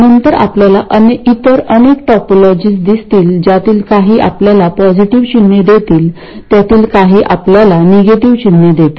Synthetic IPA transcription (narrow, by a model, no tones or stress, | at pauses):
nənt̪əɾa̰pljalaʔəneit̪əɾənek̚ʈɔpolɔd͡ʑiːsd̪ist̪iːld͡ʑjat̪iːlkaɦiːʔa̰pljalapɔd͡ʑiʈiʋt͡ɕinːed̪et̪iːl | t̪jat̪iːlkaɦiːʔapljalaneɡeʈiʋt͡ɕinjed̪et̪i